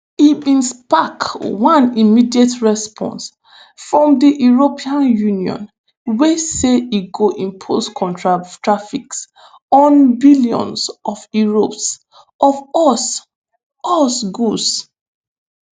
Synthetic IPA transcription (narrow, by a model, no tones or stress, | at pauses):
ibĩnspakwãnimidietɹɛspʰɔ̰̃ns | fɹɔ̃mdiʔjuɹopʰiãnjuniɔ̰̃n | weseiɡoʔĩnpʰostkʰɔ̃ntɹatɹafiks | ɔ̃nbiliɔ̰̃nsɔvjuɹops | ɔvɔs | ɔsɡus